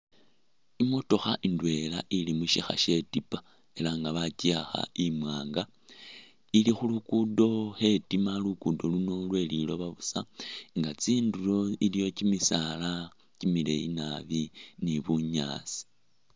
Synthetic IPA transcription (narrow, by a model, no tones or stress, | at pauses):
imoto̞xaʔindwe̞laʔilimuʃixa̰ʃe̞tipa | e̞laŋɡaβaciaxa̰imwaːŋɡa | ilixulukudo̞xe̞timalukudo̞luno̞lwe̞lilo̞βaβusaŋɡat͡siːndulo̞ilijo̞cimisala | cimile̞̰ḭnaβiniβuɲa̰ːt͡si̥